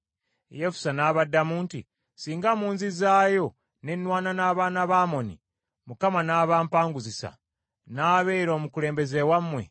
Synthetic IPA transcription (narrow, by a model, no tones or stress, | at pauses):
jefu̥sanaːβadːamuːntḭ | siːŋɡamuːnzizaːjo̞ | ne̞nːwaːnanaːβaːnaβaːmo̞nḭ | mukamanaːβaːmpaːŋɡuzisa̰ | naːβeːiɾo̞ːmukule̞ːmbe̞zewamːwe̞̰